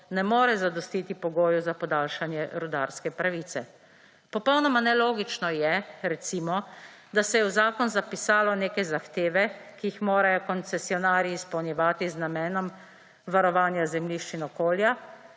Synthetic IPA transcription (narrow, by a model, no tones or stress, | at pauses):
nɛmoːɾɛzad̪ɔst̪iːt̪ipɔɡoːjuzapɔd̪aːlʃanjɛɾud̪aɾskɛpɾaʋit̪sɛ | pɔpɔwnɔmanɛloːɡit͡ʃnɔjɛɾɛt̪simɔ | d̪asɛjɛwzaːkɔnzapisaːlɔneːkajzaxt̪eːʋɛkijixmoːɾajɔkɔnt̪sɛsiɔnaːɾiːspɔwnjɛʋaːt̪iznamɛːnɔm | ʋaɾɔʋaːnjazɛmliʃt͡ʃinɔkoːlja